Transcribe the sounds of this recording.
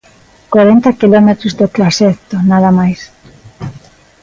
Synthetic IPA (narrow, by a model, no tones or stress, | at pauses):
kwaɾent̪akilɔmet̪ɾʊzd̪ot̪laset̪onaðɐmajs